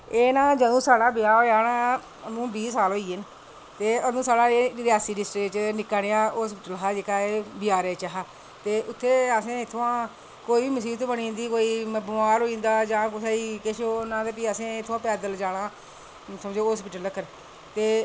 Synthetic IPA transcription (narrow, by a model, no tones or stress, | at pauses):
eːnãːd͡ʒəd̪õːsaːɽaːbɪjaːoːaːnãː | əmũːbiːsaːlɦoːiːɪn | t̪eːəd̪õːsaːɽaːeːɾɪaːsiːɖɪsʈɾɪkt͡ʃnɪkːaːnejãːoːspiːʈəlɦaːd͡ʒeːkaːeːbɪjaːɾeːt͡ʃaɦaː | t̪eːʔʊt̪ʰːeːəsẽːɪt̪ʰːoãː | koːiːʋiːməsiːt̪oːbəɳĩːnd̪iːkoːiːbəmaːɾoːĩːnd̪aːd͡ʒãːkʊsaːiːkɪʃoːnãːt̪epiːəsẽːɪt̪ʰːãːpɛːd̪əld͡ʒaːɽãː | səmd͡ʒeːɦoːspiːʈələkːəɾ | t̪eː